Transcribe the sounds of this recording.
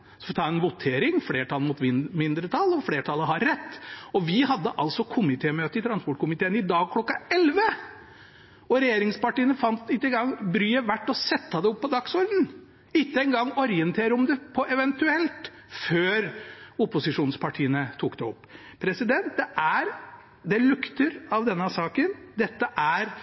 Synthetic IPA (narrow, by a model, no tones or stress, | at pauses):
sɔft̪ʰɑːɛnʋʊt̪ʰeːɾɪŋflɽeːʈʰɑlmʊːt̪mɪmɪnd̪ɾət̪ʰɑlɔfleːʈʰɑləɦɑɾːɛt̪ːɔʋɪhɑd̪ːəʔɑlsɔkʰʊmɪt̪ʰeːmøːt̪əɪt̪ʰɾɑnspɔʈ̚kʰʊmɪt̪eːənɪd̪ɑːɡ̚kʰlɔkːɑɛlʋə | ɔɾɛjeːɾɪŋspɑʈiːənəfɑnt̪ɪt̪ːəɛŋɡɑŋːbɾyːəʋæʈːɔsɛt̪ːɑd̪ɛɔpːɔd̪ɑksɔɾd̪n̩ | ɪt̪ːəɛŋɡɑŋːɔɾɪənt̪ʰeːɾəɔmd̪ɛpʰɔʔɛʋɛnt̪ʉɛlt̪ | føːɾʊpʊsɪʂuːnspʰɑʈʰiːənət̪ʰuːkd̪ɛɔ̰pːpʰːɾɛsɪd̪ɛnt̪̚d̪ɛʔæɾ | d̪ɛlʉkt̪əɾɑʋd̪ɛnːəsɑːkənd̪ɛt̪ːəʔæɾ